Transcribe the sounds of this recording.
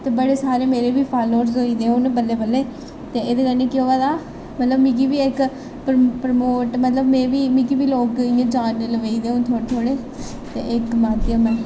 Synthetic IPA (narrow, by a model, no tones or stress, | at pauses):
t̪eːbəɽeːsaːɾeːmeːɾeːʋiːpʰaːloːɾzoːiːd̪eːonːpəlːeːbəlːeː | t̪eːeːd̪eːkəɾneːkɪoːaːd̪aː | mət̪ləbmĩːk̬iːʋiːɪk | pɾpəɾmoːʈmət̪ləbmẽːʋiːmĩːkiʋiːloːkɪːãːd͡ʒaːnːeləʋeiːd̪eːõt̪ʰoːɽet̪ʰoːɽeː | t̪ḛːʔɪkmaːt̪jəmɛ̃ː